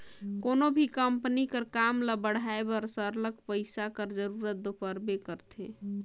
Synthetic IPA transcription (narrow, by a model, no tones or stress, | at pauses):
konobʱikəmpnikəɾkamləbəɽ̤aebɔɾsəɾləkpəɪsakəɾd͡ʒəɾuɾət̪̚d̪opəɾbekəɾt̪ʰḛ